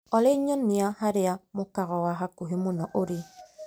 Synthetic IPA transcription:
ɔleɲɔnːiahaɾɪamʊkaɣɔwaɦakuɦemunɔʔoɾi

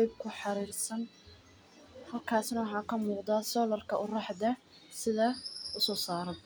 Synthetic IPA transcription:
jb̚kʰʊħɑɾiːrsɐn | hɐlkʰaːsnɐwɑħɑːkʰɐmuːqd̪asɔːlɐrkʰɐʔʊrɑħd̪ɐ | sɪðɐʊsɔːsaːɾɐ

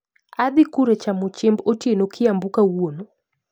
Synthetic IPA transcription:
aðikuɾɛt͡ʃamɔt͡ʃɛmbɔtiɛnɔkʰiambukawuɔnɔ

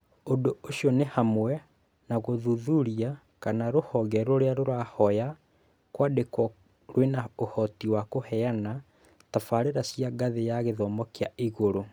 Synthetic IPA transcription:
ondooɕiɔnehamwɛ | naɣoðuðuɾia | kanaɾohɔɣɛɾoɾeaɾoɾahɔja | kwadekwɔ | ɾwenaohɔtiwakohɛana | tafaɾeɾasiaɡaðejaɣeðɔmɔkeaiɣoɾo

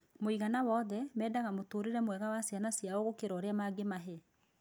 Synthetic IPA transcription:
moiɣanawɔðɛmɛːdaɣamotoːɾeɾɛmwɛɣawasjanasjaoɣokeɾɔːɾeamaɡemaɦɛ

